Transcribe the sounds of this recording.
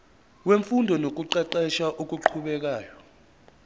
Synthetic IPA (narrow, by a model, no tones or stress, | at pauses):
weɱfundʱɔnok̬uǃɛǃɛʃaʔok̬ʼuǃʰuɓɛk̬aːjɔ